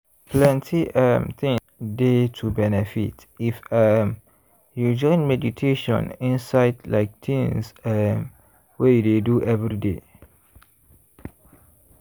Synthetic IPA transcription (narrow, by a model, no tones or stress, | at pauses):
plɛ̃ntʰiʔə̃mt̪ĩŋ | detʰubɛnɛfḭt | ifəm | jud͡ʒɔ̃ɪ̃nmɛditʰeʃɔ̰̃nĩnsaɪdla̰ɪk̚t̪ʰĩŋsəm | wejudeduʔɛvɹide